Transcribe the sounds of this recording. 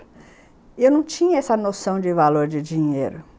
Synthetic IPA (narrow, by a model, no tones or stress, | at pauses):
ewnɐ̃w̃t͡ʃĩɲɐɛsɐnosɐ̃w̃d͡ʒɪvaloɾd͡ʒɪd͡ʒĩɲḛjɾʊ